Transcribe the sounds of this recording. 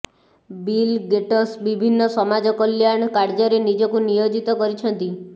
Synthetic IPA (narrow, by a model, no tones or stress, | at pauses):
bilɡeʈɔsbibʱinːɔsɔmad͡ʒɔkɔljaɳ̃kaɾd͡ʒɔɾenid͡ʒɔkunijod͡ʒit̪ɔkɔɾit͡ʃʰɔnt̪i